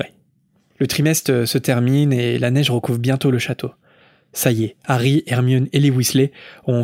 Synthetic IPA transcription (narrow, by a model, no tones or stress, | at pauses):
lət̪χimɛst̪χəsət̪ɛʁminelanɛʒʁəkuvbjɛ̃t̪oləʃat̪ʰo | sajeaʁiɛʁmjɔnelewisleɔ̃